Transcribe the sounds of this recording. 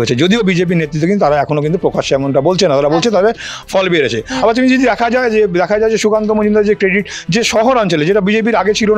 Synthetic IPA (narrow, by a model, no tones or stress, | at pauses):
oet͡ɕʰed͡ʑod̪iobid͡ʑep̬iɾnet̪ːɾit̪ːokint̪aɾaɛkʰonokint̪̬upɾokaʃoɛmonʈabolt͡ɕʰenːat̪aɾabolt͡ɕʰet̪ɔɦbefɔlbeɾet͡ɕʰeabaɾt̪umid͡ʑod̪id̪ɛkʰad͡ʑaed͡ʑed̪ɛkʰad͡ʑaed͡ʑeʃukant̪omod͡ʑumnd̪aɾd͡ʑekɾeɖiʈd͡ʑeʃɔɦoɾɔnt͡ɕoled͡ʑeʈabid͡ʑep̬iɾaɡet͡ɕʰilo